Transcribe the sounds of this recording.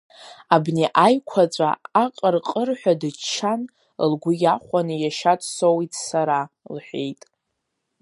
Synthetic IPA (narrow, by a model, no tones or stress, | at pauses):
abneʔajkʷʰat͡sʷʼa̰aqʼərqʼərħʷᶣadɨt͡ʃʰːan | lɡʷʊjaχʷanɨjaʃatʼsowitʰsaɾa | lħʷᶣe̞̰jtʼ